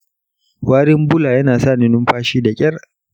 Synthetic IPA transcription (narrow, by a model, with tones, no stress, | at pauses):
waː˦ɾɪ˦mbʊ˦laː˨jɐ˦naː˨sa˦˨nɪ˦nʊ˦mɸaː˦ʃiː˦da˨kʲʼɐ˦r